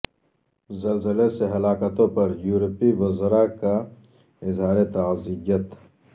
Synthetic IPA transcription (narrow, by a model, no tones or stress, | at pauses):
zɐlzəleseɦɐlaːkət̪õpɐɾjuːɾpiʋɐzɾaka | ɪzɦaːɾet̪aːziɡət̪